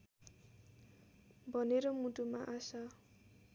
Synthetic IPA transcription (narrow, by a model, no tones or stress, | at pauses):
bʱʌneɾʌmuʈumaʔasa